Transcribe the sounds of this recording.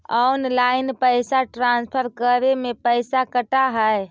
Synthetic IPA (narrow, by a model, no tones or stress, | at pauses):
ɔnlainpəjsaʈɾanspʰəɾkəɾemepəjsakəʈaɦəj